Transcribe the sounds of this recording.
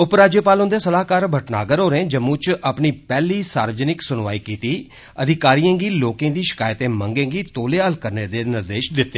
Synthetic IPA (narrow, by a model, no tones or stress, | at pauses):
ʊpɾaːd͡ʒjeːpaːlõnd̪eːsəlaːkaːɾbʱəʈna̰ːɡəɾɦoːɾẽːd͡ʒəmũːt͡ʃʔəpniːpɛːliːsa̰ːɾʋəd͡ʒənɪksʊnʋaːiːkiːt̪iː | əd̪ʱɪkaːɾijãːɡiːloːkẽːd̪iːʃɪ̥kaːjt̪ẽːməŋɡẽːɡiːt̪oːleːəːlkəɾneːd̪eːnɪɾd̪eːʃd̪ɪt̪ːeː